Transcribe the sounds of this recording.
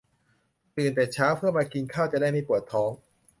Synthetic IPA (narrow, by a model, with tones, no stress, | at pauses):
t̪ɯː˨˩nt̪ɛː˨˩t͡ɕʰaː˦˥wpʰɯ˥˩əmaː˧ki˧nkʰaː˥˩wt͡ɕa˨˩daː˥˩jma˧jpu˨˩ət̪ʰːɔː˦˥ŋ